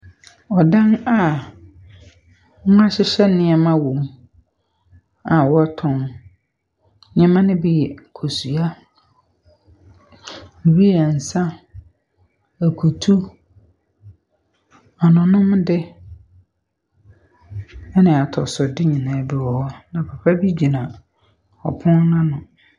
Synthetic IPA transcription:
ɔ˨dã˦na˨˦ | a˦ɕɪ˦ɕɛ˦nɪ̃˦ɛ˨mã˦wo˨m˦ | a˨wɔ˦tʰɔ̃˨m | ɲɛ̃˦mã˦nɪ̃˦bɪ˦jɛ˨kʰo˨su˨a˦ | ni˨bi˦ɛ˨n̩˨sã˦ | æ˨kʰu˨tʰu˦ | ɔ˨nʊ̃˨nʊ̃˦mdɪ˦ | ɛ˦nɪ̃˨a˨tʰɔ˨sɔ˨dɪ˦ɲĩ˨nãː˨˦bɪ˨wɔ˨˦nã˨pʰa˨pʰa˦bi˦d͡ʑi˨nã˨ | ɔ̰˨pʰʊ̃˦nnʊ̃˦nʊ̃˨

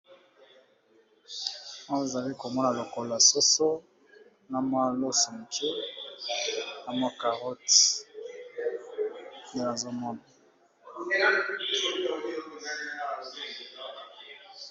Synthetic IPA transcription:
a˦e˨za˨li˦ko˨mɔ˦na˨lo˨ko˨la˨so˦so˦ | na˨ma˦lo˦si˨ŋ˨ke˦ | na˨ma˦ka˨ʁɔ˦t | e˦na˨zo˦mɔ˦na˨˦

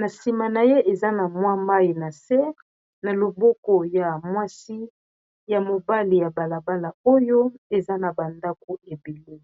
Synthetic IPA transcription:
na˨si˨ma˨na˨je˦ʔe˨za˦na˨mwa˦ma˦ji˨na˨se˦ | na˨lo˨bɔ˦kɔ˨ja˨mwa˦si˦ | ja˨mo˨ba˦li˨ja˨ba˨la˨ba˦la˨o˦jo˦e˨za˦na˨ba˨nda˦ko˨e˨be˨li˦

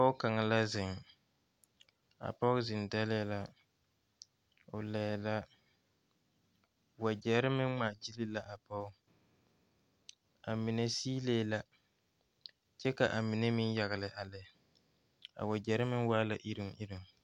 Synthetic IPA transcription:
a˨pɔ˦ʊ˦ka˨ŋa˨la˦zɪ˨ŋ | a̰˨pɔ˦ʊ˦zɪ˨nda˦lɛ˦la˦ | ʊ˨lɛː˨la˦ | wa˨d͡ʒɛ˨ɾɪ˦mɪ˦ŋ͡ma˨d͡ʒi˦lɪ˦la˦ʔa˨pɔ˦ʊ˦ | a˨mi˨ne˦siː˦leː˦la˦ | t͡ʃɛ˦ka˨ʔa˨mi˨ne˦mɪ˦nja˨ɣɪ˨lɪ˨ʔa˨lɛ˨˦˨ | a̰˨wa˨d͡ʒɛ˨˦ɾɪ˦mɪ˦nwaː˦la˨ʔi˦ɾɪ˦˨ŋ˨i˦ɾi˨ŋ

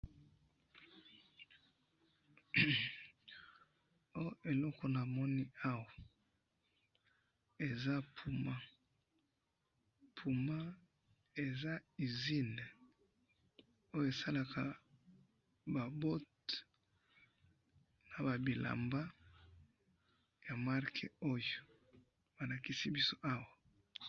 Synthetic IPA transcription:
o˦jo˦ʔe˨lɔ˦ko˨na˨mɔ˦ni˦a˦wa˨ | e˨za˦pʰu˨ma˦ | pʰu˨ma˦ | e˨za˦i˨zi˦ne˨ | o˦jo˦˨e˨sa˦la˨kʰa˨ | ba˨bo˦t | na˨ba˨bi˨la̰˨mba˦ | ja˨ma˦ʁkʰḛ˨o˦jo˨ | ba˨la˨ki˦si˦bi˦so˦ʔa˦wa˨

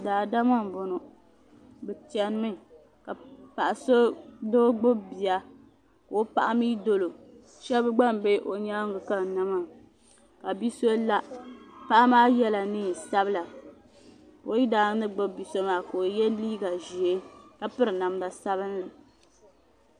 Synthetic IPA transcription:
daː˨da˦ma˦m˨bo˨no˨ | bɛ˨ti˨ɛ˨n˦mɨ˦ | ka˨pa˨ʔa˨so˦do˦ɡ͡bʊ˦bbi˨a˨ | ka˨o˦pa̰˦ʔa˦miː˦do˨lo˨ | ʃɛ˦bɨ˦ɡ͡ba˦˨m˨be˦ʔo˨ɲaː˦ŋ˦ɡɨ˨ka˦˨na˦ma˨ | ka˨bi˦so˦la˦pa˦ʔa˦maː˦jɛ˦la˨niː˦˨sa˦bɨ˦la˨ | po˨˦i˦daː˨˦nɨ˦ɡ͡bʊ˦bbi˨so˦maː˨ka˨o˨jɛ˦liː˦ɡa˨ʒi˨e˦ka˨pɨ˦ɾɨ˨na˨m˦da˨sa˦βɨ˦n˦la˨

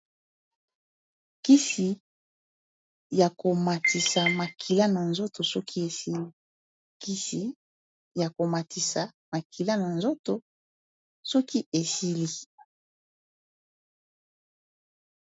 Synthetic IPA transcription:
ki˦si˨ | ja˨ko˨ma˨ti˨sa˨ma˨kʰi˨la˦na˨nzo˦to˨sɔ˦kʰi˦e˨si˦li˦ | ki˦si˨ | ja˨ko˨ma˨tʰi˨sa˨ | ma˨kʰi˨la˦na˨nzo˦to˨ | sɔ˦ki˦ʔe˨si˦li˦

